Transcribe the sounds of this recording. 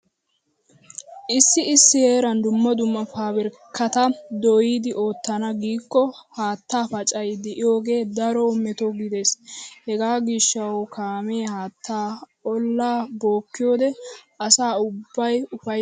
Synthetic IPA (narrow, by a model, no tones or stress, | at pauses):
ʔɪsːɪɪsːɪheːɾɐnd̪ʊmːɔd̪ʊmːɐfaːbɛɾkːɐt̪ɐd̪ɔjiːd̪ɪʔo̞ːt̪ːɐnɐɡiːkːɔhaːt̪ːaːfɐt͡ʃʼɐjd̪ɪʔɪjoːɡe̞ːd̪ɐɾɔmɛt̪oɡɪd̪e̞ːshɛɡaːɡiʃːɐwokaːme̞ːhaːt̪ːaː | ɔlːaːbo̞ːkːɪjoːd̪ɛ | ɐsaːʊbːɐjʊfɐj